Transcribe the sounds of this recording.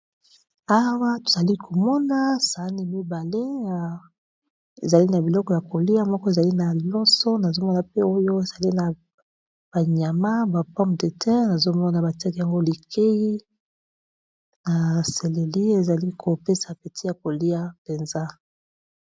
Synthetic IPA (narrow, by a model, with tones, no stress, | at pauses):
a˦wa˦to̥˨za˨li˦kʰo˨mɔ˦na˦sa˨˦ni˦mi˦ba˨le˦˨ | e˨za˨li˦na˨bi˨lɔ˦kɔ˨ja˨ko˨li˦a˦mɔ˦kɔ˦e˨za˨li˦na˨lɔ˦sɔ˦na˨zo˦mɔ˦na˨pe˦o˦jo˦e˨za˨li˦na˨ | b̥a˨ɲa˨ma˦ba˨pɔ̃˦mde˨tʰɛ̃˦na˨zo˦mɔ˦na˨ba˨tɛ˦kja˨ŋɡo˦li˨kʰe˦ji˦ | na˨se˨le˨li˦e˨za˨li˦kʰo˨pe˦sa˨pe˨ti˦ja˨ko˨li˦a˦pe˨nza˦